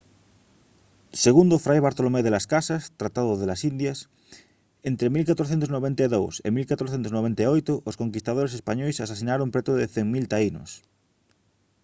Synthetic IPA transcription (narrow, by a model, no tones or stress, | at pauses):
seɣund̪ofɾajβaɾt̪olomeðelaskasast̪ɾat̪aðoðelasind̪jas | ent̪ɾemilkat̪ɾoθ̬ent̪oznoβẽnt̪aeðowsemilkat̪ɾoθent̪oznoβent̪aojt̪oʔoskoŋkist̪aðoɾesespaɲojsasasinaɾompɾet̪oðeθeŋmilt̪aino̰s